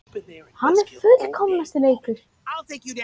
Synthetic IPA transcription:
hanːɛɾ̥fʏt̪l̥kʰɔmnast̪ɪneːjkʏɾ̥

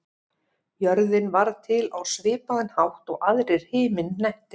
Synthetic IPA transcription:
jœɾðɪnvaɾt̪ʰɪlawsvɪːpaðɪnhawht̪ɔɣaðɾɛɾ̥hɪːmɪnːɛjht̪ɪ

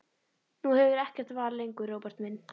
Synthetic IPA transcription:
nuhɛvðɪɾɛhcɛr̥t̪vaːɾlejŋkʏroːwpaɾ̥t̪mɪnː

